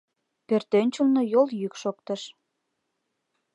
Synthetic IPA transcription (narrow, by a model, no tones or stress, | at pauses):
pørt̪ønʲt͡ɕumnojoljykʃok̚t̪əʃ